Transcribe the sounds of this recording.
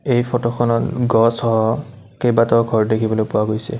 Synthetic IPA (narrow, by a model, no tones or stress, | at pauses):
ejpʰɔtɔxɔnɔtɡɔsɔɦɔ | kejbatɔɡʱɔɹdekʰibɔlojpʊwaɡojsɛ̰